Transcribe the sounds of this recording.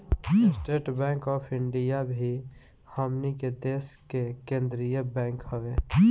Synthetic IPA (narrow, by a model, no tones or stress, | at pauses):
sʈeːʈbɛ̃ːŋkɔːpʰɪ̃ɳɖijabʱi | haːmniked̪eːskekẽːnd̪ɾijəbɛ̃ːŋkhəʋeː